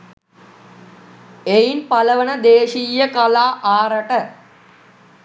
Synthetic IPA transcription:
ejinpaləʋənəd̪eːʃijəkalaːʔaːɾəʈə

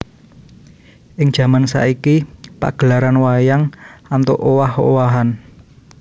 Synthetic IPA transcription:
ʔɪŋd͡ʒ̥ä̤mansa̰ʔikipa̰ɡ̥əlaɾanwajaŋant̪oʔowaɦo̰waɦan

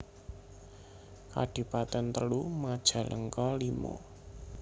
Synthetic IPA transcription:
ka̰ɖ̥i̤pat̪ɛnt̪əlumad̥ʒ̥a̤lʔəŋkɔlimo̰

